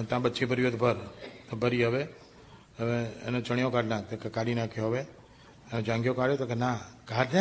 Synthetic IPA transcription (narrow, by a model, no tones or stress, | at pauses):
t̪ãɓətːt͡ʃʰibʱəɾjod̪bʱəɾt̪obəɾiɦəʋe | əmeḛnõt͡ʃəɳ̃ijõkaɖnãk̚t̪okekaɽinãkʰjoɦəʋe | enõd͡ʒãŋɡjokaɽjot̪okenakaɖna